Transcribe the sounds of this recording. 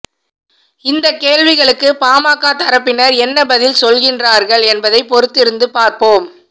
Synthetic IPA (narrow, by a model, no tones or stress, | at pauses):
ɪnd̪ɐkːeːlʋɪɣɐɭɯkːɯpaːmaːkːaːt̪ɐɾɐpːɪnɐɾɛnːɐbɐðɪlsɔlɣɪndraːɾɣɐɭɛnbɐðɐɪpɔɾɯt̪ːɪɾɯnd̪ɯpaːɾpoːm